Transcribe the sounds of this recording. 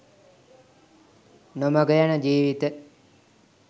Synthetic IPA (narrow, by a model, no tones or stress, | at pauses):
noməɡəjanəd͡ʒiːʋit̪ə